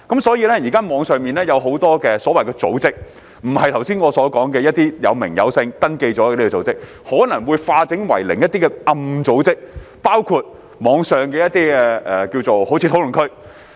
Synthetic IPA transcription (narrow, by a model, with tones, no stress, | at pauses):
kɐ˨˦˥msɔː˨˥jiː˧lɛː˥jiː˨˩kaː˥mɔː˨˧ŋsœː˨ŋmiː˨nlɛː˥jɐ˨˧wɦo˨˥wt̪ɔː˥kɛː˧sɔː˨˥wɐ˨jkɛː˧t͡so̰˨˥wt͡sɪ˥k̚ | m̩˨˩hɐ˨jt̪ʰɐ˨˩wsiː˥nŋɔː˨˧sɔː˨˥kɔː˨˥ŋkɛː˧jɐ˥t̚t̪iː˥jɐ̰˨˧wmɪ̰˨˩ŋjɐ̰˨˧wsɪ˧ŋt̪ɐ˥nke˧jt͡sɔː˨˥ɛː˧li˥kɛ˧˩t͡so˨˥wt͡sɪ˥k̚ | hɔː˨˥nɐ˨˩ŋwuː˨˧jfaː˧t͡sɪ˨˥ŋwɐ̰˨˩jlɪ˨˩ŋjɐ˥t̪iː˥kɛ˧ʔɐ˧mt͡so˨˥wt͡sɪ˥k̚paː˥wkʰuː˧t̚ | mɔː˨˧˥ŋsœː˨˩ŋkɛː˧jɐ˥t̚t̪iː˥ɛ˧ʔɛː˨kiː˧wt͡so˨who˨˥wt͡sʰiː˨˧t̪ʰo˨˥wlɵ˨˩nŋkʰɵ˥ɥ